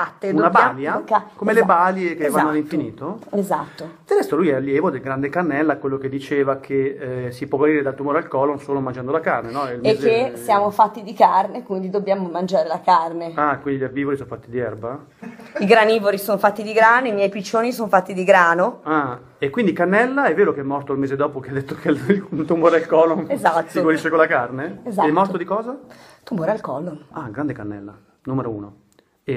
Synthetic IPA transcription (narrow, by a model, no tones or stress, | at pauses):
at̪ːeunabaljakːɛkomelebaljekevvanːoalːiɱfiniːt̪oezat̪ːod̪ad̪ɛst̪ːolujɛalːjɛːvod̪elɡɾand̪ekarnɛlːakwelːoked̪ːit͡ʃeːvakʰesipwɔvaɾiːɾed̪alt̪umoːɾealkɔlonsoːlomand͡ʒand̪olakarnenɔɛilmekzesjaːmofat̪ːid̪ikarnekwind̪id̪objaːmomand͡ʒaːɾelakarneakwind̪iʎaɾbiːvoɾisõnfat̪ːid̪iɛrba | iɡɾanivoɾisoːnofat̪ːid̪iɡɾaːnoimjɛjpit͡ʃːoːnisonfat̪ːid̪iɡɾaːnoa | ekːwind̪ikanːɛlːaɛvːeːɾokeɛmːɔrt̪oilmeːzed̪ɔːpokead̪et̪ːokʰet̪umoːɾealkɔːloezat̪ːsiɡwoɾiʃːekolakarneezaɛmːɔrt̪od̪ikɔːza | t̪umoːɾealkɔːloaɡɾand̪ekanːɛ̰lːa̰ | numeɾouːno | e